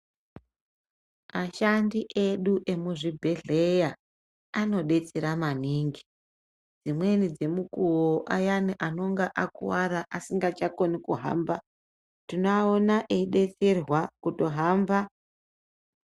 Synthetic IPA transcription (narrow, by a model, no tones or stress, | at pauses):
maʃandiʔe̞ɗuʔe̞muʐibʱe̞ɮe̞ja | ano̞ɗe̞t͡seɾamaniːŋɡi | d͡zimwe̞nid͡ze̞mukuwoʔa̰janiʔano̞ŋɡaʔakṵwaɾaʔasiŋɡat͡ʃako̞nikuɦa̰ːmba | tinoaonaʔeiɗe̞t͡serwakuto̞ɦaːmba